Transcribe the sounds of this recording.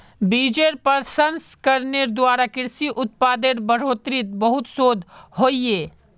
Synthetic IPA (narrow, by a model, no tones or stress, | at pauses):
biːd͡ʒeɾpəɾsɐnskəɾneɾd̪waːɾakɪɾsiʔʊt̪̚paːd̪eɾbəɽ̤oːt̪ɾɪt̪̚bəɦʊt̪soːd̪ʱɦoːieː